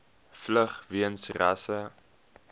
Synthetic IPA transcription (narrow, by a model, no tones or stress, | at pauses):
fləχviənsrɐsə